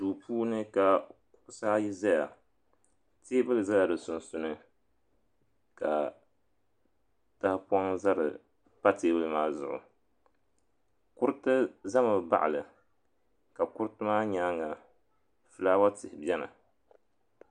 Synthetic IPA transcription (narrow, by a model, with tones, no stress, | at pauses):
tuː˨pʰuː˦nɨ˦ka˨kʊ̥˦ʔʊ˦sa˦ji˦za˦ja̰˨ | teː˦bɨ˦lɨ˨za˦la˨dɨ˨sʊ˨nsʊ˨nɨ˦ | ka̰˨ | ta˦hpɔ˦ŋza˦ɾɨ̰˨ | pa˦teː˦bɨ˦lɨ˦maː˦zʊ̰˦ʔʊ̰˨ | kʊ˦ɾtɨ˦za˦mɨ˨ba̰˨ʔa̰˨lɨ˨ | ka˨kʊ˦ɾɨ˦tɨ˦maː˦ɲa˦ŋa˨ | fɨ˦laː˦wa˦tɪ˨hɪ˨bi˦ɛ˦na̰˨